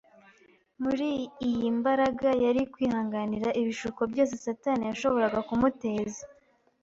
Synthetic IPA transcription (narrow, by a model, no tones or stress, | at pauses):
muɾiːjimbaɾaɡajaɾikwiːhaːŋɡaniɾaʔiβiʃuko̞bjo̞ːs̬e̞satanijaʃo̞βo̞ɾaɡakumute̞ːze